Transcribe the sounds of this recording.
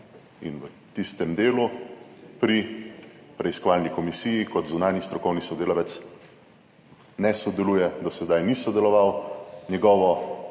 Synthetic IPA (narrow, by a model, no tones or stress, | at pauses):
ḭnʋə | t̪ist̪ɛmd̪eːlupɾi | pɾɛiskɔʋaːlnikɔmisijikɔt̪zunaːnist̪ɾɔkɔwnisɔd̪eːlɔʋɛt̪s | nɛsɔd̪ɛlujɛd̪ɔsɛd̪ajnisɔd̪ɛlɔʋawnɛɡɔːʋɔ